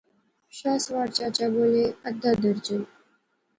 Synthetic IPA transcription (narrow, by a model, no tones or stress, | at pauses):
ɕasʋaɽt͡ɕat͡ɕaboleəd̪ʱːad̪əɾd͡ʑən